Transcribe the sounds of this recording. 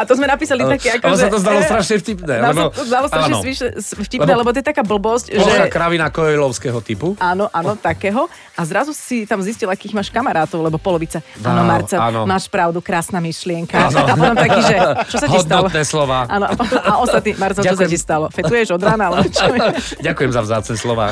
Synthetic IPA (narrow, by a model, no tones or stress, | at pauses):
at̪ɔzmɛnapiːsaliakɛakɔsat̪ɔzd̪alɔst̪ɾaʃɲɛfcipnɛanɔzd̪alɔst̪ɾaʃɲɛzʋiːʃɛsfciplnɛlɛbɔt̪̬ɔjɛt̪akaːbl̩bɔscɔʒɛakɾaʋinakɔɔlɔʊskɛɦɔt̪ipuaːnɔʔaːnɔt̪akɛːɦɔ | ʔazɾazusit̪amziscilakiːɣmaːʃkamaɾaːt̪ɔʊlɛbɔpɔlɔʋit͡saaːnɔmaɾt͡saanɔmaːʃpɾaʊd̪ukɾaːsnaːmiʃlɪɛŋkaapɔt̪ɔmt̪akiːʒɛt͡ʃɔsaɦiɔdd̪t̪alɔnɛːslɔʋaːʔaːnɔapɔt̪ɔmaʔɔst̪at̪niːmaɾt͡sɛlt͡ʃɔs̬acist̪alɔfɛt̪ujɛʒɔd̪ɾaːnalɛbɔt͡ʃɔɟakujɛmzavzaːt͡snɛslɔʋa̰ː